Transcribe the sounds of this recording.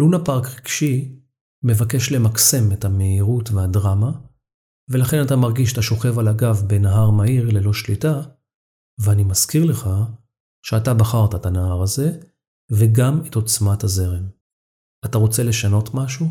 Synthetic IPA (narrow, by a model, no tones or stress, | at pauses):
lunapaʁkʁiɡʃi | me̞vake̞ʃle̞makse̞methame̞iʁutveadʁama | ve̞laχe̞natamaʁɡiʃat̪aʃo̞χe̞valaɡavbe̞naɦaʁmaiʁle̞lo̞ʃlita | veanimaskiʁle̞χa | ʃeatabaχaʁtaetanahaʁaze̞ | ve̞ɡameto̞t͡smathaze̞ʁe̞m | ataʁo̞t͡se̞le̞ʃano̞tmaʃu